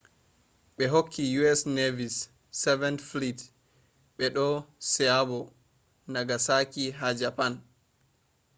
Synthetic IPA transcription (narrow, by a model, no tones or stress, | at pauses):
ɓɛɦokʰːijuɛsnevisː | ɛvɛntflit | ɓɛɗɔsɛjabɔ | naɡasakiɦad͡ʒapan